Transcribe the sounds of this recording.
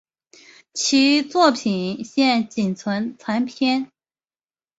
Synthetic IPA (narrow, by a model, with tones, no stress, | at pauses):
t͡ɕʰi˧˥t͡swɔ˥˩pʰi˨˩nɕjɛ˥˩nt͡ɕi˨˩nt͡sʰwə˧˥nt͡sʰa˧˥npʰjɛ˥n